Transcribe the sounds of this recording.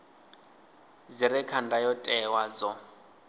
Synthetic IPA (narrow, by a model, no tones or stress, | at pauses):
zirɛkʰandajɔtʼɛwazɔ